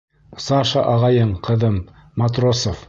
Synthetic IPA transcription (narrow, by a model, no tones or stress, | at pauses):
sɑʃɑ̰ʔɑʁɑjɤɴqʰɤ̆ðɤmː | at̪rosof